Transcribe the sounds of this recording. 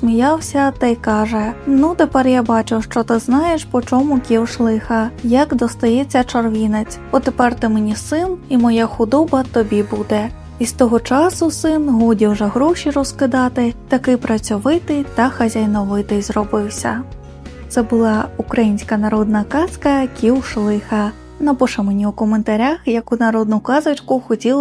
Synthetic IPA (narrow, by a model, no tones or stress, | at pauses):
sʲmʲijɑwsʲɐt̪ɐjkɑʒɛnut̪epɛrjabɑt͡ʃɪwʃt͡ʃɔt̪ɪznɑjeʃpɔt͡ʃɔmʊkʲiwʃlˠɪxɐjɐkd̪ɔst̪ɐjɛt͡sʲːɐt͡ʃɔrʋʲinet͡sʲɔt̪epɛrt̪ɪmenʲisɪnimɔjaxʊd̪ɔbɐt̪ɔbʲibud̪ɛ | ist̪ɔɦɔt͡ʃɑsʊsɪnɦɔdʲiwʒɛɦɾɔʃiɾɔskɪd̪ɑt̪ɪt̪ɐkɪpɾɐt͡sʲɔʋɪt̪ɪt̪ɐxɐzʲajnɔʋɪt̪ɪzrɔbɪwsʲɐ̰ | t̪sɛbʊlˠɑukɾɐjinʲsʲkɐnɐɾɔd̪nɐkɑskɐkʲiwʃlˠɪxɐ | nɐpɔʃɐmenʲiukɔment̪ɐɾʲaxjɐkunɐɾɔd̪̚nʊkɑzɐt͡ʃkʊxɔtʲilˠ